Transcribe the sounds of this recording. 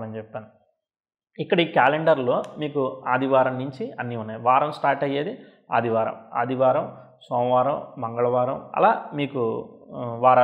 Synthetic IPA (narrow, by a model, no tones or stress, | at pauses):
lɐnit͡ʃɛpːaːni | ikːɐɽɐiːkaːleɳɖɐɾlo̞ːmiːkuaːd̪ʱiʋaːɾɐmnuɲt͡ʃiɐnːiunːaːjʋaːɾɐmsʈaːɾʈɐjːeːd̪i | a̰ːd̪iʋaːɾɐ̰ma̰ːd̪ʱiʋaːɾɐm | sɔːmʋaːɾɐmmɐŋɡɐɭɐʋaːɾɐmɐ̰laːmiːku | ʋaːɾɐ